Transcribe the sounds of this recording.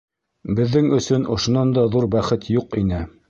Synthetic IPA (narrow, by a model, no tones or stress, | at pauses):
bɘ̆ðːɘŋɵ̆sɵnʔŏʃŏnɑnd̪ɑðuɾbæχɘt̪ʰjuqinɘ